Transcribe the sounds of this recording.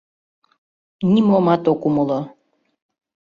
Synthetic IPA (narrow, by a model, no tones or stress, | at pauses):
nʲimomɑt̪okuməlo